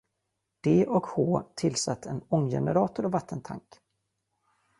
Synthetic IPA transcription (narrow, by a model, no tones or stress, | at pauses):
d̪̥eːʔɔkhoːt̪ʰɪlːsat̪ːɛnɔŋːjɛ̰nəɾɑːt̪ʊɾɔvat̪ʰːənt̪ʰa̰ŋk